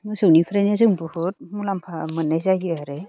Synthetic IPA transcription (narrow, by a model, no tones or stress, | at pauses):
mɯsɯwnipʰɾenjazɯŋbɯhut̚mulampʰamɯnːajzaɡɯaɾe